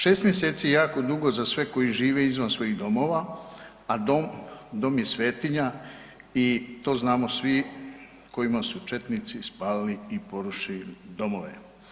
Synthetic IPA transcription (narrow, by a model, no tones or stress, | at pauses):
ʃeːst̪mje̞se̞ːt̪sijejaːko̞d̪uɡo̞zasʋe̞ko̞jiʒiːʋe̞izʋansʋo̞jiɣd̪o̞mo̞ːʋa | ad̪omd̪o̞ːmje̞sʋe̞ːt̪iɲa | it̪o̞ːznaːmo̞sʋi | ko̞jimasut͡ʃe̞t̪nit̪sispaːliliːpo̞ɾuʃilid̪o̞mo̞ʋḛ